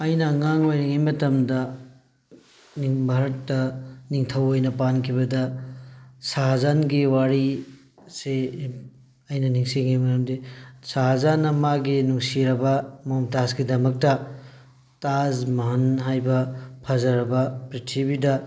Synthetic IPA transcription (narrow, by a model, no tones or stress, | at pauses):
ɐjnɐŋaŋojɾɐŋimɐtɐmdɐ | niŋbʱaɾɐtːɐniŋtʰɐwojnɐpankʰiβɐdɐ | saɦazanɡiwaɾi | se | ɐjnɐniŋsiŋijmɐtɐmdisaɦazanːɐmaɡinuŋsiɾɐbɐmomtazɡidɐmɐk̚tɐ | tazmɐɦɐnɦajbɐpʰɐzɐɾɐbɐpɾitʰibidɐ